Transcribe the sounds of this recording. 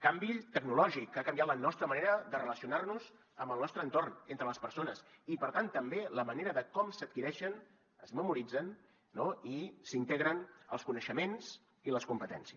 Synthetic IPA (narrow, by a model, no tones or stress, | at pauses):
kambit̪əɡnulɔʒikːakəmbiat̪lənɔst̪ɾəməneɾəd̪ərələsiunarnuz | əmbəlˠnɔst̪ɾənt̪ornent̪ɾələspəɾsonəsipəɾt̪ant̪əmbeləməneɾəðəkɔmsət̪̚kiɾɛʃən | əzməmuɾid͡zənː | oisint̪eɣɾənə̰lˠskunəʃəmenz | iləskumpət̪ɛ̰nsiəs